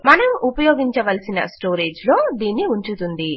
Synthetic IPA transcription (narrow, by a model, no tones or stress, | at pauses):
mɐnɐmupɐjoːɡiɲt͡ʃɐʋɐlsinɐ̰sʈo̞ːɾeːd͡ʒlo̞ːd̪iːnːiuɲt͡ʃut̪und̪i